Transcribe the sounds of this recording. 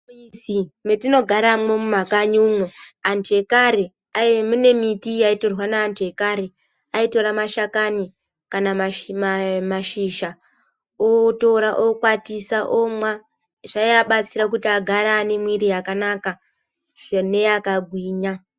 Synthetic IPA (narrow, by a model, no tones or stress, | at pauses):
simetino̞ɡʱaɾamwo̞mumakaɲuŋoante̞kaɾe | ajmune̞mitijaito̞rwanaːntʰue̞kaɾe | aito̞ɾamaʃakani | kanaa | maʃiːʃa | oto̞ɾaʔokwatisaʔomwa | ʐ̥aiaɓat͡siɾak̬utiaɡʱaɾaːne̞mwiɾijakanaːka | ʐene̞jakaɡʱwiːɲa